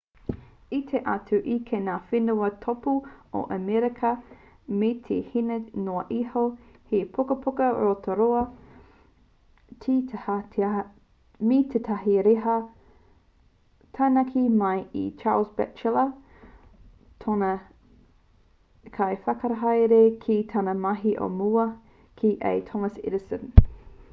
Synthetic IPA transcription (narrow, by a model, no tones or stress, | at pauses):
it̪ʰeʔa̰tʰʉʔikʰenaːfinuɐtʰopuo̰ʔɐmɛɾikʰɐ | met̪ʰehinenoɐʔiho | hepʰukɐpʰukɐɾotʰoɾoɐ | tʰitʰha | mit̪ʰetʰɐɦiɾeɦɐ | tʰanɐkʰimɐjḭt͡ʃa̰ːlsbɛ̰t͡ʃəlɐ | tʰonɐ | kʰɐjfɐkɐɾɐɦɐjɾekʰitʰɐnɐmɐɦiʔo̰muɐ | kʰiʔḛjtʰomɐsɪ̰dɪsə̃n